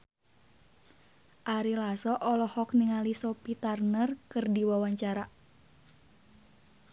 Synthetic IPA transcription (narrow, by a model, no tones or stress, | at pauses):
ʔaɾilasɔʔɔlɔhɔkniŋalisɔpit̪arnərkɨrdiwawaɲt͡ʃaɾa